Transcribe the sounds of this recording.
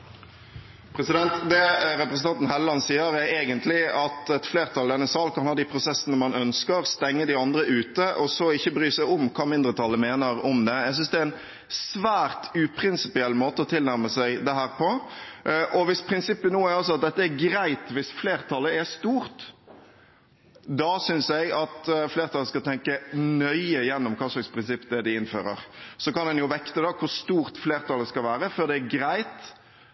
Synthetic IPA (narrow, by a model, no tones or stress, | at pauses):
pʰɾɛsɪd̪ɛnt̪d̪ɛɾɛpɾəsnɑnt̪n̩hɛlːɑnsiːəɾæɾeːɡənt̪lɪɑt̪ɛt̪fleːɾt̪ʰɑld̪ɛnːəsɑːlkʰɑnhɑːd̪iːpʰɾʊsɛsːənəmɑnœnskəɾst̪ɛŋːəd̪ɪɑnd̪ɾəʔʉːt̪əʔɔsɔɪçːəbɾyːsæɔmkʰɑːmɪnd̪ɾət̪ʰɑlːəmeːnəɾɔmd̪ɛɛɡs̬ʏnsd̪ɛæɛn | sʋæːɾt̪ʉpʰɾɪnsɪpɪɛlːmoːt̪əɔt̪ʰɪlnæɾməsæɪd̪ɛɦæːɾpʰɔ | ʔɔʋɪspʰɾɪnsɪpːənuːæɾɔs̬ɔɑt̪̚d̪ɛt̪ːəɛɾɡɾæɪt̪ʋɪsfleːʁt̪ʰɑlːəɛɾst̪uːʁt̪ | d̪ɑsʏnsæɪɡɑt̪fleːɾt̪ʰɑləskɑt̪ʰɛŋkənœʏəjɛnːɔmkʰɑːʂlɑkspʰɾɪnsɪpːd̪ɛd̪ɪɪnfø̰ːɾə̰ɾsɔkɑnd̪ɛnjʊʋɛkt̪əd̪ɑkʰʊɾst̪uːʁt̪fleːʁt̪ʰɑlːəskɑlʋæːɾəfɔɾd̪ɛːɡɾæɪt̪